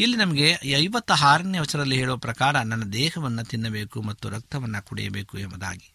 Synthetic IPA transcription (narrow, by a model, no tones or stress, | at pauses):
ilːinɐmɐɡe̞ɐjʋɐt̪ːɐɦaːɾɐnjɐʋɐt͡ʃːɐɾdɐlːiɦeːɭuʋɐpɾɐkaːɾɐnɐnːɐd̪ɛːhɐʋɐnːut̪inːɐbeːkumɐt̪ːuɾɐk̚t̪ɐʋɐnːɐkuɽɛ̰jɐ̰beːkuɛmbɐd̪a̰ːɡi